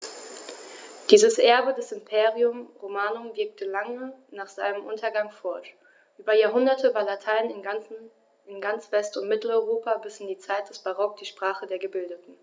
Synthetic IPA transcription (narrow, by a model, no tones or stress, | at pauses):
d̥iːzəsʔɛɐbədɛsɪmpʰeːʁiʊmʁomaːnʊmvɪɐk̚tʰəlaŋənaːχz̥aɪnəmʔʊntʰɐɡaŋfɔɐʃ | ʔyːbɐjaːɐɦʊndɐtʰəvaːɐlatʰaɪnɪ | ɪnɡant͡sv̥ɛstʊntmɪtl̩ɔʏʁoːpʰabɪsɪndiːt͡saɪt̚d̥ɛsb̥aʁɔk̚d̥iːʃpʁ̥aːχədeːɐɡəbɪldətn̩